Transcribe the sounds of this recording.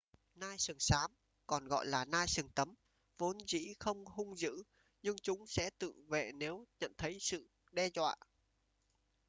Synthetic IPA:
naː˧jsɨ˨˩əŋsaː˨˦m | kɔ˨˩nɣɔ̰˧˨jlaː˨˩naː˧jsɨ˨˩ŋt̪ə˨˦m | vo˨˦nzḭ˧˥xə˧wŋ͡mhʊ˧ŋ͡mzɨ̰˧˥ | ɲɨ˧ŋt͡ɕʊ˨˦ŋ͡msɛ̰˧˥t̪ɨ̰˧˨ŋvḛ˧˨ne˨˦wɲə̰˧˨nt̪ʰə˨˦jsɨ̰˧˨ | ɗɛ˧zwa̰ː˧˨

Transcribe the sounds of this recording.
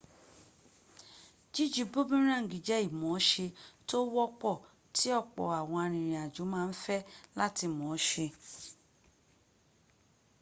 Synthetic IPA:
d͡ʒi˦d͡ʒi˨˦bu˦bĩ˦ɾ̃ã˦˨ɡi˨d͡ʒɛ˨˦i˦˨mɔ̃˨˦ʃe˧to˦wɔ˦k͡pɔ˦˨ | ti˨˦ɔ˦˨k͡pɔ̰˨a˨w̃ɔ̃˧a˧ɾ̃ĩ˨ɾ̃ĩ˨a˨d͡ʒu˨˦mãː˦˧n̩˦fɛ˦la˦ti˧mɔ̃˨˦ʃe˧

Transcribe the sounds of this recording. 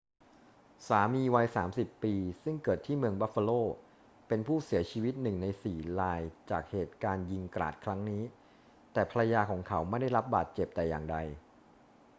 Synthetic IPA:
saː˩˦miː˧wa˧jsaː˩˦msi˨˩pːiː˧sɯ˥˩ŋkɤː˨˩t̪ʰːiː˥˩mɯ˧əŋba˦˥fa˧loː˥˩ | pe˧npʰuː˥˩si˨˩˦ɐt͡ɕʰiː˧wi˦˥t̪̚nɯ˨˩ŋna˧jsiː˨˩laː˧jt͡ɕaː˨˩k̚heː˨˩t̪̚kaː˧nji˧ŋkɾa̰ː˨˩t̪̚kʰɾa˦˥ŋniː˦˥ | t̪ɛː˨˩pʰa˧ɾa˧jaː˧kʰɔː˩˦ŋkʰa˩˦wma˥˩jda˥˩jɾa˦˥p̚baː˨˩t̪̚t͡ɕe˨˩p̚t̪ɛ˨˩jaː˨˩ŋda˧j

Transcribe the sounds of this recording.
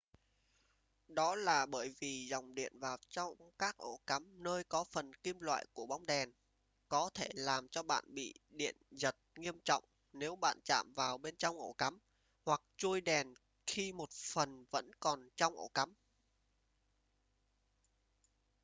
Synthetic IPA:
ɗɔ˨˦laː˨˩ɓəː˧˩jvi˨˩zɔ˨˩wŋ͡mɗḭ˧˨ənvaː˨˩wt͡ɕɔ˧wŋ͡mkaː˦˥k̚ʔo̰˧˩ka˨˦mnəː˧jkɔ˨˦fə˨˩nki˧mlwa̰ː˧˨jku˧˩əɓa˨˦wŋ͡mɗɛ˨˩n | kɔ˨˦t̪ʰe˧˩laː˨˩mt͡ɕɔ˧ɓa̰ː˧˨nɓḭ˧˨ɗḭ˧˨ənzə˨˩t̚ŋi˧əmt͡ɕɔ̰˧˨wŋ͡m | ne˨˦wɓa̰ː˧˨nt͡ɕa̰ː˧˨mvaː˨˩wɓe˧nt͡ɕɔ˧wŋ͡mʔo̰˧˩ka˨˦m | hwa˨˩k̚t͡ɕu˧jɗɛ˨˩n | xi˧mo˨˩t̚fə˨˩nvə̰˧˥nkɔ˨˩nt͡ɕɔ˧wŋ͡mʔo˧˩ka˨˦m

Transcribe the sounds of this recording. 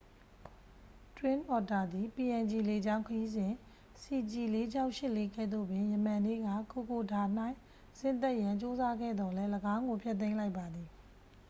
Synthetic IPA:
twɪ̃˦nʔɔ˨ta˨d̪i˨pi˨ʔɛ̃˨nd͡ʑi˨le˨d͡ʑã˦ʊ̃kʰəji˦zɪ̃˨ | si˨d͡ʑi˨le˦d͡ʑa˦ʊʔʃɪ˦ʔle˦kɛ̰˦ʔd̪o̰˦˨bjɪ̃˨jə˨mã˨nḛ˦˨ɡä̰˦˨ko˨ko˨da˨n̥a˦˨ɪ̃ | sɪ̃˦nt̪̬ɛ˦ʔjã˨ɲt͡ɕo˦za˦ɡɛ̰˦˨d̪ɔ˨lɛ˦ləɡã˦ʊ̃ŋɡo˨pʰjɛ˦t̪̬ːẽ˦ɪ̃la˦ɪpːa˨d̪i˨

